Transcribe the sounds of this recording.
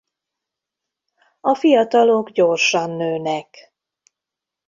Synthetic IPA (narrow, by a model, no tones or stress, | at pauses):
ɒfijɒt̪ɒloɡɟo̞rʃɒnːøːnɛk